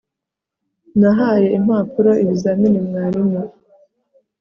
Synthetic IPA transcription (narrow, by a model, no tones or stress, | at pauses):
naɦaje̞imaːpuɾoiβizaminimŋaːɾimo